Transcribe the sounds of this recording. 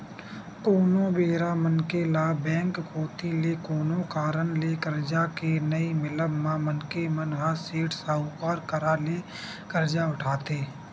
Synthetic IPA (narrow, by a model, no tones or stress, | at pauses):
koːnõbeːɾamənkelabɛ̃ːŋkːoːt̪ilekoːnõkaːɾənlekəɾd͡ʒakenəimɪləbmãmənkemənɦaseːʈʰsaːukaːɾkəɾaːleː | kəɾd͡ʒaʊʈʰaːt̪eː